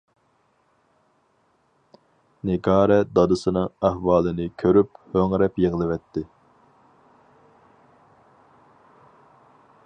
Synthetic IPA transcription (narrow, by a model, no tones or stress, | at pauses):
neɡɑːɾɛd̪ɑd̪ɨsɨnɨŋæhwɑːlˠɨnɨkʲʰøɾyphøŋɾɛpjeʁlˠɨvɛt̪ʰːɪ